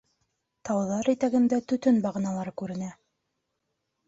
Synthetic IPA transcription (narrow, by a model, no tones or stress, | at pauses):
t̪ɑwðɑɾit̪æɡɘ̆nd̪æt̪ɵ̆t̪ɵnbɑʁɤ̆nɑlˠɑɾɤkʉɾɘ̆næ